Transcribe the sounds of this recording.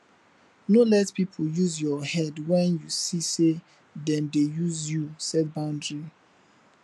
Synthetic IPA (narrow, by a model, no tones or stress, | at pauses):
nolɛtpipʰojuzjɔhɛdwɛ̃njusise | dɛ̃mdejuzjusɛd̚bãʊ̃ndɹi